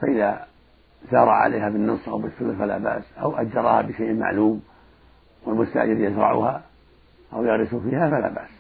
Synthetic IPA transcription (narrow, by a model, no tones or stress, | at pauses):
faʔɪða | zɑːɾˤɑʕa̰lʔeːɦabɪnːɨsˤʔawbɪθːʊlɾfala̰ba̰ʔsʔawʔad͡ʒːɑɾˤɑha̰bɪʃeːʔma̰ʕluːm | wɪlmʊst̪a̰ːd͡ʒaɾjazɾˤɑ̰ʕʊ̰ha | ʔawjaɣɾɪsʊfiːhafala̰ːba̰ʔs